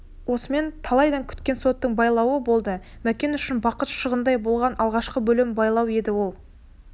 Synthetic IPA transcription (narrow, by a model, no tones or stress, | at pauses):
wo̞səme̞nt̪ʰɑlˠɑjd̪ɑŋkʲʰʏ̥t̪kʲe̞nso̞t̪ːəɴbɑjlˠɑwəbo̞lˠd̪əmækʲe̞nʏʃɪnbɑqət̪ʃəʁənd̪ɑjbo̞lˠʁɑnʔɑlˠʁɑʃqəbɵlɪmbɑjlˠɑwe̞d̪ɪwo̞lˠ